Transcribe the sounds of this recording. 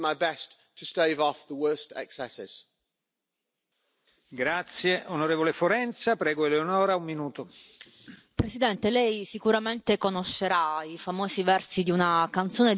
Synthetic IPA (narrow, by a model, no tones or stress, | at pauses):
maɪbɛs | tʰəsteɪvɔfðəwɜˑstɛ̰ksɛsɪ̰z̥ | ɡɾat̪sjeʔonoɾeːvolefoɾɛnt̪sapɾɛːɡoeleonɔːɾaummːinuːt̪o | pɾesid̪ɛnt̪elɛjsikuɾament̪ekonoʃːeɾaifamoːzivɛrsid̪iunakant̪soːne